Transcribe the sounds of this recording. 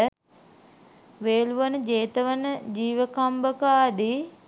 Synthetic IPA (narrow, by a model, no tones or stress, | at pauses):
ə | ʋeːluʋənəd͡ʒeːt̪əʋənəd͡ʒiːʋəkambəkəaːd̪i